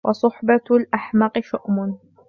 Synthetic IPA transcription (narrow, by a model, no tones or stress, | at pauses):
wʔɑsˤʊħbalʔaħmɑqɨʃʊʔmʊn